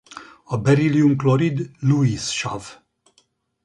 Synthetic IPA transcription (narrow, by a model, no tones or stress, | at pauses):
abeɾiliuŋkloɾid̪luisʃav